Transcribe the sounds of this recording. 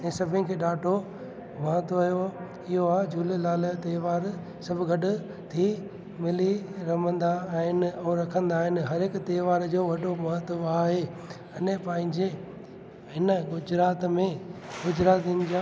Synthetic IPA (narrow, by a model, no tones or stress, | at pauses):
ɛ̃ːsɐbʱɪnɪ̆kʰeːɗaːʈʰo | mɐɦət̪aːɦjo | ɪɦoaːɦed͡ʑuːllaːlət̪eːʋaːɾ | sɐbʱɡɐɗʊ̆ | t̪ʰi | mɪliɾɐmə̃nd̪aɦɪnɪ̆ɛ̃ːɾɐkʰə̃nd̪aːɦɪnɪ̆ɦɐɾɪkt̪eːʋaːɾd͡ʑoːʋɐɗomɐɦət̪əaːɦe | ɐnpɐ̃ɦɪ̃ɲd͡ʑe | ɪnə̆ɡʊd͡ʑɾaːt̪mẽɡʊd͡ʑɾaːt̪inɪ̆d͡ʑaː